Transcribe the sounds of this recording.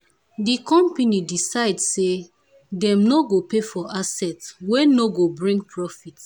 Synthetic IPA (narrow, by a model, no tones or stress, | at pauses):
dikɔ̃mpenidisaɪdse | dɛ̃mnoɡopefɔʔasɛtwenoɡobɹĩŋɡ̚pʰɹɔfit